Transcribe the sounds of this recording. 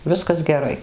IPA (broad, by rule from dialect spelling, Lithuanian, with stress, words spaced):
ˈʋʲɪskɐs ɡʲɛˈrɐɪ